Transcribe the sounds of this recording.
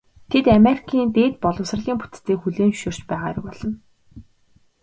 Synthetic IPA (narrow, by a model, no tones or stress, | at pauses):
t̪ʰet̪ameɾikʰiːnt̪eːt̪̚pɔɮə̆ws̆r̆ɮiːmput̪t̪eːkxuɮeːnʃoːr̥t͡ɕpæːʁaːɾɪ̆kpɔɮ̥ɞ̆n